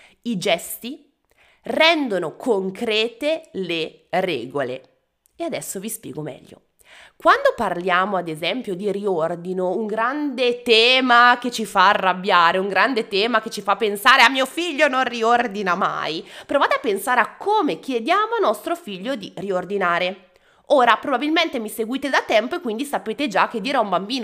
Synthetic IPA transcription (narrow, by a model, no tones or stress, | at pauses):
id͡ʒɛst̪i | rɛnd̪onokʰoŋkɾɛːt̪elerɛ̰ːɡolḛ | ead̪ɛsːovispjɛ̰ːɡomɛ̰ʎːo̰ | kwand̪oparljaːmoad̪ezɛmpjod̪iɾiord̪inouŋɡɾand̪et̪ɛːmaket͡ʃːifaːrːabːjaːɾeuŋɡɾand̪et̪ɛːmaket͡ʃːifapːensaːɾeamːiːofiʎːononriord̪inama̰jpɾovaːt̪eapːensaːɾeakʰːoːmekjed̪jaːmoanːɔst̪ɾofiʎːod̪iriord̪inaːɾe | oːɾapɾobabilment̪emiseɡwiːt̪ed̪at̪ɛmpoekwind̪isapeːt̪ed͡ʒak̟ːed̪ːiːɾeaumbambiːno